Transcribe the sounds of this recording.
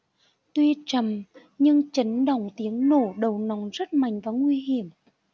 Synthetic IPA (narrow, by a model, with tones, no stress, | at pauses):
t̪wi˧t͡ɕə˨˩m | ɲɨ˧ŋt͡ɕə˨˦nɗə˧˩wŋ͡mt̪i˨˦əŋno˧˩ɗə˨˩wnɔ˨˦ŋ͡mzə˦˥t̚ma̰˨jŋ̟vaː˨˩ŋwi˧ɦi˧˩˨əm